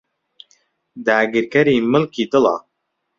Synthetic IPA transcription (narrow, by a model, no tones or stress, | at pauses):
d̪aːɡiɾkɛɾiːmɨlkʰiːd̪ɨlɑ̰